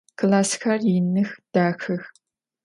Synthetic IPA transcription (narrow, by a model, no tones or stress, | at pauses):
kʰɨlaːsxɐrjɪnɨxd̥aːxɨx